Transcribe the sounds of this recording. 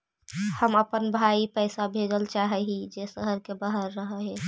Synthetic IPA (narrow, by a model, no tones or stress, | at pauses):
həməpənbʱaipəɪsabʱed͡ʒəlt͡ʃaɦɛɦid͡ʒesəɦəɾkebaɦəɾːəɦəɦe